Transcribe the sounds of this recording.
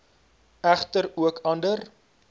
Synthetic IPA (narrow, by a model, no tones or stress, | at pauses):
æχtəɾuəkʰɐndər